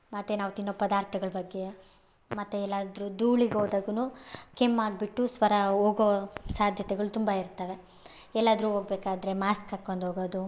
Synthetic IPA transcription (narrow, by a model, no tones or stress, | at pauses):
mɐt̪ːenaːʋt̪inːoːpɐd̪aːɾt̪ʰɐɡɐɭɐbɐɡːe | mɐt̪ːeɛlːaːd̪ɾud̪uːɭiɡoːd̪aːɡɐnuːkemːaːɡbiʈːusʋɐɾɐɦoːɡoʋɐsaːd̪ʱjɐt̪ɛɡɐɭut̪umbaiɾt̪ːɐʋe̞ | ɛlːaːd̪ɾuɦoːɡbeːkaːd̪ɾe̞maːskakːond̪ɦoːɡoːd̪u